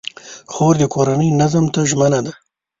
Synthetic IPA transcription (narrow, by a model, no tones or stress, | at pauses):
xoɾd̪əkoɾanəjnazəmt̪aʒmənad̪a